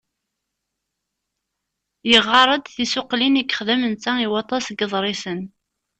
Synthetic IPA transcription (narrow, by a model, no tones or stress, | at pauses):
jəʁːɑɾˤəd̪θisʊqlinikːə̥χðæmənt͡sːæiwɑt̪ˤːɑsɡəðˤɾˤisən